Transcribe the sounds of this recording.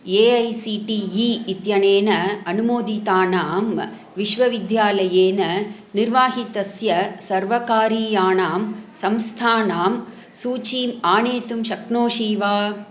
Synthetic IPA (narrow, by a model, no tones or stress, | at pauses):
eːɐjsiːʈiiɪt̪jɐneːnɐɐnɯmoːd̪it̪aːnaːm | ʋɪʂʋɐʋɪd̪jaːlɐjeːnɐ | nɪɾʋaːɦit̪ɐsjɐsɐɾʋɐkaːɾiːjaːnaːmsɐmst̪ʰaːnaːm | suːt͡ʃiːmaːneːt̪ɯmʃɐknoːʃiːʋaː